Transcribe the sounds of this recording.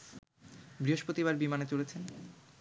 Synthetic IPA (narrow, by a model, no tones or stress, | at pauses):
bɾiɦoʃpɾot̪iβaɾbimanet͡ɕolet͡ɕʰen